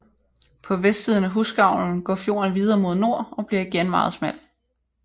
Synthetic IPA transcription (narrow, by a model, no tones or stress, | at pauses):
pʰɒ̽ʋesd̥siːð̞ˠn̩æɦusɡ̥ɑ̈ʊ̰ln̩ɡ̥ɒ̰fjo̝̰ːɐnʋið̞ˠɐːmo̝ð̞ˠno̝ɐ̰ɒ̽b̥liɐiɡ̥enmɑ̈ːð̩ˠsmæl̰